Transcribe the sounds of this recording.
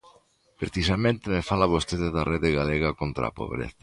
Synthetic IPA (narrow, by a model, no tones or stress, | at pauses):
pɾeθisamẽnt̪emefalaβost̪eðeðareðeɣaleɣakont̪ɾa̰po̰β̞ɾḛθḁ